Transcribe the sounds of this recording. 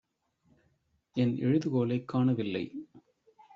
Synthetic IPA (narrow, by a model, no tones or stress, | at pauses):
ɛnɛ̰ɻɯðɯkoːlɐɪkːaːɳɐʋɪlːɐɪ